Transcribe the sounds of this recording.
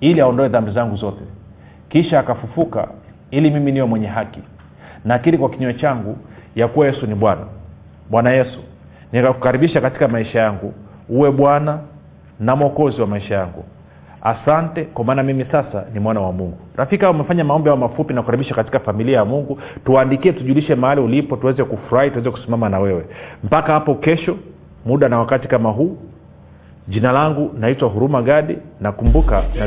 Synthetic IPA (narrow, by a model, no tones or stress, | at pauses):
iliaɔndɔɛðambizaŋɡuzɔtɛ | kiʃaːkafufuka̰ | ilimiminiwɛmwɛɲɛɦaki | nakiɾikwakiɲɔɛt͡ʃaŋɡujakuwajɛsuniɓwana̰ | ɓwanajɛsu̥ | nikakukaɾiɓiʃakati̥kamaiʃajaŋɡu | uwɛɓwana | namɔkɔziwamaiʃajaŋɡṵ | a̰santɛkwamaːnamimisasa̰nimwanawamuŋɡuɾafikaumɛfaɲamaɔmbiaɔmafupinakukaɾiɓiʃakati̥kafamiliajamuŋɡutuwaːndikiɛtuʄuliʃɛmaaliulipɔtuwɛzɛkufuɾahituwɛzɛku̥simamanawɛwɛm̩pakahapɔkɛʃɔ | muɗanawakati̥kamaɦuː | ʄinalaŋɡunaitwaɦuɾumaɠaɗinakumbukana